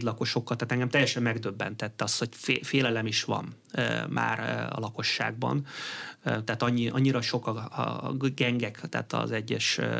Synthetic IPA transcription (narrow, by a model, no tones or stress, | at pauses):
d̪lɒko̞ʃo̞kːɒlt̪aːt̪ɛŋɡɛmt̪ɛjɛʃɛmːɛɡd̪øbːɛ̰nt̪ɛt̪ːɛɒst̪ho̞cffeːlɛlɛmiʃʋɒ̰m | øma̰ːrɒ̰lɒko̞ʃːa̰ːɡ̚bɒ̰nøt̪ɛaːt̪ɒɲːiʔɒɲːiɾɒʃo̞kɒ̰ | ɡɛŋɡɛkt̪ɛ̰ːt̪ɒ̰zɛɟːɛ̰ʃø